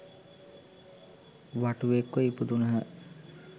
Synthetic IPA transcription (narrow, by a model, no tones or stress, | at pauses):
ʋaʈuekːoipud̪unəɦə